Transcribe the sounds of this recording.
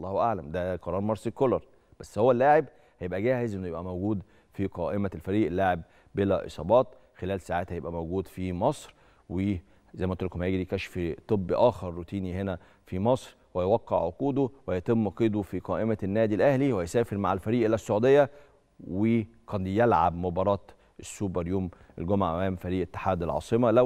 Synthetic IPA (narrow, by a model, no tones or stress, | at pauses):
lˤːɑːhʔaʕlæmd̪æqɑɾˤɑːɾˤmɑɾsekolɑɾˤ | b̥æsːhowːælːaːʕeb | hæjebʔæɡæːhezʔenːojebʔæmowɡuːd̪ | fiqɑːʔemælfæɾiːʔlːaːʕeb | belæ̰ʔḛsˤɑ̰ːbɑːt̪ | xelæːlsaːʕaːt̪hæjebʔæmowɡuːd̪fimɑsˤɾ | we | zæjmæʔt̪ˤɾkomæjeɡid̪ikæʃfit̪ˤɨbːʔæːxɑɾˤːut̪iːnihenæ | fimɑsˤɾ | wæjwɑqːḛʕʕoquːd̪owæjɑt̪emːɑqiːd̪ofiqɑːʔemænːæːd̪ilʔæhliwhæjsæːfeɾma̰ʕelfæɾiːʔelːæsːoʕuːd̪ejːæ | wekɑnjelʕa̰bmobɑɾˤɑːt̪ | ʔesːubɑɾjuːmʔḛlɡomʕa̰ʔæmæːmfæɾiːʔet̪ːḁħaːd̪ælʕɑ̰ːsˤemɑlæ